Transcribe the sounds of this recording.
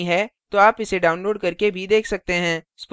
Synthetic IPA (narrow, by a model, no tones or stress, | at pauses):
ɦɛt̪oaːpɪseɖaːʊ̃nloːɖkɐɾkebʱid̪eːkʰsɐk̚t̪eɦɛ̃ː | sp